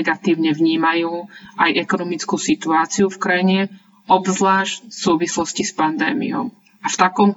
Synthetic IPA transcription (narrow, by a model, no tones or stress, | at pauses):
ɡat̪iːʊɲɛʋɲiːmajuːajʔɛkɔnɔmit͡skuːsit̪uaːt͡siufkɾajiɲɛ | ʔɔbzlaːʃcfsuːʋislɔscispand̪ɛːmḭjɔ̰m | ʔaft̪akɔm